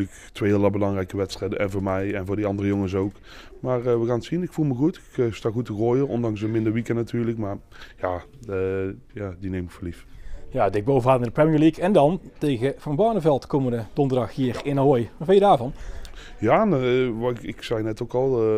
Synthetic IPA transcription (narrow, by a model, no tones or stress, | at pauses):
ək | tʋeɪlabəlɑŋrɛjkəʋɛtstrɛjdəʔɛnvoːɹmɛjɛnvoːɹdiɑndərəjoŋəs̬owk | maːrʋəɣaːntsinɪkfulˠməɣutɪkstaːɣutəɣoːjərɔ̰ndɑŋsənmɪndəɹʋikənatyːɹləkmaːr | jaː | jaːdinejmməfəlifjaːdɪɡ̚boːvəaːtnadəprɛmiəɹlikʰɛndɑntejɣəv̥ɑnbɑɹnəvɛlˠtkomədədɔndərdɑxɦiːrɪnaɦojʋɑtbɛjədaːɹvɑn | jaːnʋɪksɛjnɛtowkɑlˠ